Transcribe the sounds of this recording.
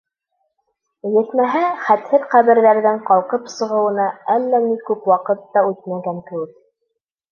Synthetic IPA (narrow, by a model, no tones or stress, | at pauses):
jɘ̆θmæɦæχæt̪hɘðqæβɘ̆ɾðæɾðɘɴqɑlˠqɤpsɤ̆ʁɤ̆wɤ̆nɑælːænikʉpwɑqɤt̪ːɑʉt̪̚mæŋɡæŋkɘ̆wɘk̚